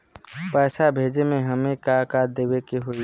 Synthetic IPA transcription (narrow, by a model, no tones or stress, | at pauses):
pɛːsabʱeːd͡ʒemẽɦəmẽkakad̪eːwekeɦʊl